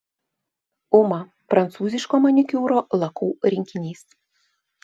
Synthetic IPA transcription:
ʊmɐ | pɾɐnt̪suːzʲɪʃkoːmɔnʲɪkʲuːɾoːlˠɐkuːɾʲɪŋʲkʲɪnʲiːs

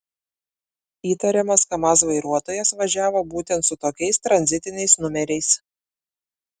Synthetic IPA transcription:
iːt̪ɐɾʲɛmɐskɐmɐs̬ʋɐɪɾuɔt̪oːjɛsʋɐʒʲæːʋoːbuːt̪ʲɛnt̪sʊt̪oːkʲɛɪst̪ɾɐnʲzʲɪt̪ʲɪnʲɛɪsnʊmʲɛɾʲɛɪs

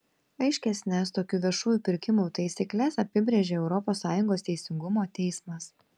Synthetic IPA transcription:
ɐɪʃʲkʲɛsʲnʲɛst̪oːkʲuːʋʲiɛʃuːjuːˑpʲɪɾʲkʲɪmut̪ɐɪsʲiklʲɛsɐpʲɪbʲɾʲeːʒʲeːɛʊɾɔpoːsːɑːjʊŋɡoːst̪ʲɛɪsʲɪŋɡʊmoːt̪ʲɛɪsmɐs

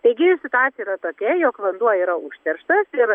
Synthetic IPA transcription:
t̪ɐɪɡʲɪsʲɪt̪ʊaːt̪sʲjiɾɐt̪oːkʲɛjoːkʋɐnd̪uɔjiːɾɐʔʊʃʲt̪ʲɛɾʃt̪ɐsɪɾ

